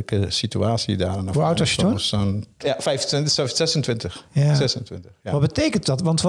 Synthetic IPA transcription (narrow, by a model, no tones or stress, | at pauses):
kəsityaːsjədaːrɛnɔfawtosusɔnjafɛjftɪnssɛsəntʋɪntəxsɛsəntʋɪntəxjaʋɔtbətejkəntdɑtʋɑntʋ